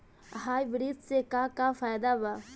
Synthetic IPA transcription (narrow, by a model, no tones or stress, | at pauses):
ɦaːjʋɪɾid̪sekaːkafaːjd̪abaː